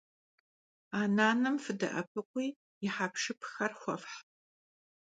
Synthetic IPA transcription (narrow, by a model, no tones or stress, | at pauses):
aːnaːnɨmfɨdɐ̰ʔɐ̰pʰɨkʷʼiː | jɪħaːpʂɨpʰxɐrxʷɔfħ